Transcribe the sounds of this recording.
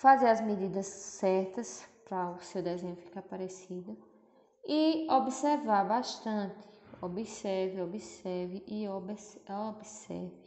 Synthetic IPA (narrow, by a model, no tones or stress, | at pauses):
fazeɾɐzmed̪id̪ɐsːɛɾt̪ɐspɾɐʊsewd̪ɛzẽɲ̃ʊfi̥kapaɾesid̪ʊ | iobiseɾvaɾbaʃt̪ɐ̃nt̪ɪ̥obisɛɾviobisɛɾviʔiobsobisɛ̰ɾvi